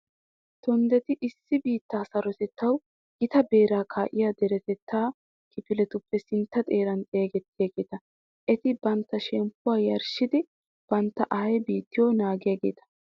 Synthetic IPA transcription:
t̪ɔnd̪ɛt̪ɪʔɪsːɪbiːt̪ːaːsɐɾɔt̪ɛt̪ːɐw | ʔɪt̪ɐbe̞ːɾaːkʰaːʔɪjaːd̪ɛɾɛt̪ɛt̪ːaː | kʰɪfɪlɛt̪ʊpːɛsɪnt̪ːɐt̪ʼe̞ːɾɐnt̪ʼeːɡɛt̪ːɪjaːɡe̞ːt̪ɐ | ʔɛt̪ɪbɐnt̪ːɐʃɛmpːʊwaːjɐɾʃɪd̪ɪ | b̥ɐnt̪ːɐʔɐhɐjbiːt̪ːɪjoːnaːɡɪjaːɡe̞̰ːt̪ɐ̥

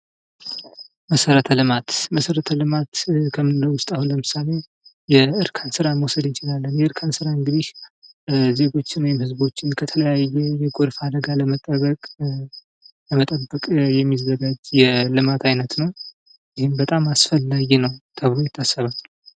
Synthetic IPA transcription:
məsəɾət̪ʰəlɨmat̪məsəɾət̪ʰəlɨmat̪kʰəmːɨnləwʊst̪ʼahunləmɨsale̞ | jɛɨɾkʰansɨɾaməwsəd̪ɨnt͡ʃʰɪlalːənjɛɨɾkʰansɨɾaɨŋɡɨd̪ih | ze̞ɡo̞t͡ʃːɪnwɔjɛmhɨzbo̞t͡ʃːɪnkʰət̪ʰələjajːɛjɛɡʼoɾfad̪əɡaləmət̪ʼəβəkʼ | ləmət̪ʼəbːəkʼjɛmːizːəɡad͡ʒjɛlɨmat̪ʰajnət̪nəw | jɪhɨmbət̪ʼamasfəlːaɡinəwt̪ʰəβɾojɪt̪ʰːasːəβa

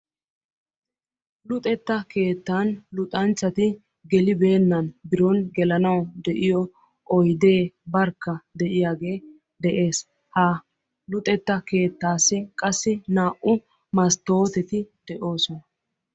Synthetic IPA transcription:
lʊt̪ʼɛt̪ːɐke̞ːt̪ːaːnlʊt̪ʼɐnt͡ʃːɐt̪ɪ | ɡɛlɪbe̞ːnːɐnbɪɾɔnɡɛlɐnɐwd̪ɛʔɪjɔ | ʔɔjd̪e̞ːbɐɾkːɐd̪ɛʔɪjaːɡe̞ː | d̪ɛʔe̞ːs | ha | lʊt̪ʼɛt̪ːɐke̞ːt̪ːaːsːɪkʼɐsːɪnaːʔʊ | mɐst̪o̞ːt̪ɛt̪ɪd̪̥ɛʔo̞ːsɔnɐ

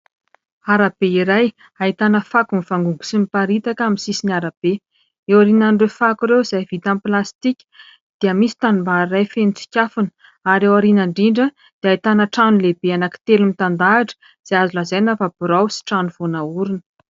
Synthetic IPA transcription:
aɾab̥eiɾaj | ait̪anəfakuniv̥aŋɡuŋɡu̥simipaɾit̪akaminsisiniaɾab̥e | ewaɾinanɖ͡ʐefakuɾewiz̥ajvit̪amplast̪ikʲə̥ | d̪̥iəmisi̥t̪anumbarajfenit͡si̥kʲafunə̥ | aɾewaɾinaɳɖ͡ʐiɳɖ͡ʐə | d̪̥eait̪anəʈ͡ʂanulebeanaki̥t̪elumit̪and̪aːʈ͡ʂə̥ | z̥aazulazajnafab̥uɾawsi̥ʈ͡ʂanuv̥onauɾinə̥

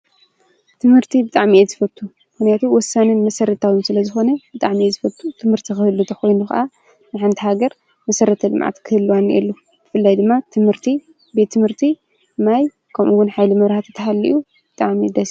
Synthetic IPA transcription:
t̪ʰɨmhɨɾt̪ʰibɨt̪ʼaʕmiʔezɨfɐt̪ʰːu | mɨxnjat̪ʰuwɔsːanɨnmɐsɐɾɐt̪ʰawimsɨlɐzɨxo̞nɐb̥ɨt̪ʼaʕmiezɨfɐt̪ʰːut̪ʰɨmhɨɾt̪ʰixɨhɨlːut̪ʰɐxo̞jnuxa̰ʔa | nɨħant̪ʰihaɡɐɾ | mɐsɐɾɐt̪ʰɐlɨ̰mʕa̰t̪kʰɨhɨlːuwanʔɛ̰lːo | b̥ɨfɨlːajd̪ɨmːat̪ʰɨmhɨɾt̪ʰi | bet̪ʰːɨmhɨɾt̪ʰi | maj | kʰɐmʔuwːʊnħajlimɐβɾhat̪ʰɐt̪ʰɐɦalːḭʔu | b̥ɨt̪ʼaʕmid̪ɐs

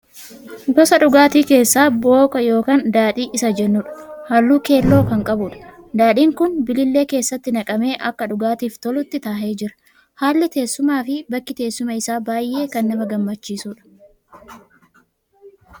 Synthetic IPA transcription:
ɡɔsɐᶑʊɡaːt̪iːke̞ːsːaːbo̞ːkʼɐjo̞ːkaːnd̪aːᶑiːʔɪsɐd͡ʒɛnːʊːᶑɐ̥hɐlːuːke̞ːlːo̞ːkɐŋkʼɐbuːᶑɐ̥ | d̪aːᶑiːŋkʊnbɪlɪlːe̞ːke̞ːsːɐt̪ːɪnɐkʼɐme̞ːʔɐkːɐᶑʊɡaːt̪iːft̪ɔlʊt̪ːɪt̪aːhe̞ːd͡ʒɪɾɐ̥ | haːlːɪt̪e̞ːsːʊmaːfɪbɐkːɪt̪e̞ːsːʊmɐɪsaːbaːjʔe̞ːkɐnːɐmɐɡɐmːɐt͡ʃːiːsuːᶑɐ̥

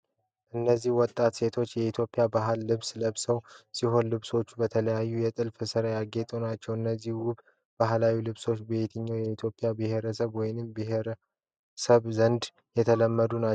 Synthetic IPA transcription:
ʔɨnːəzːihwɔt̪ʼːat̪se̞t̪ʰo̞t͡ʃːjɛit̪ʰjo̞pʼːijabaɦlːɨβsləβsəwsiɦo̞nlɨβso̞t͡ʃːubət̪ʰələjajːujɛt̪ʼɨlfɨsɨɾajaɡet̪ʼonat͡ʃːɛwɨnːəzːihwʊb | baɦlawilɨβso̞t͡ʃːbe̞t̪ʰɨɲːawjɛit̪ʰjo̞pʼːijabɨhe̞ɾəsəβwɔjnɨmbɨɦeɾə | səβzənd̪ | jɛt̪ʰələmːəd̪una

